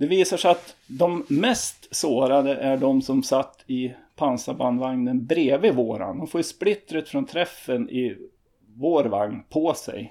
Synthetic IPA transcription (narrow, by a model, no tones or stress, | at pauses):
d̪̥ɛviːsaʂɛat̪d̪ɔmːɛst̪soːɾad̪əʔæɖɔmsɔmsat̪ʰːɪpʰansaband̪vaŋnənbɾeːvɪvoːɾa̰nd̪ɔmfoːɾjɵʂplɪt̪ːɾət̪fɾɔnt̪ʰɾɛfːənɪ | voːɾva̰ŋnpʰɔsɛ̰j